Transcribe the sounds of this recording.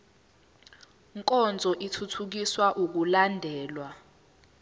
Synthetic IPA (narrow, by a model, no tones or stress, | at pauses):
ŋkʼɔnd͡zʱɔʔitʰutʰuk̬iswaʔuk̬ulandʱɛːlwa